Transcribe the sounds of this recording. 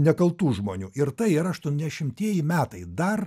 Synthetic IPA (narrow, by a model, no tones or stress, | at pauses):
nʲɛkɐlˠt̪uːʒmoːnʲuːɪɾt̪ɐɪɪɾɐɐʃt̪uɔnʲd̪ʲɛʃʲɪmʲt̪ʲiɛjɪmʲæːt̪ɐɪd̪ɐr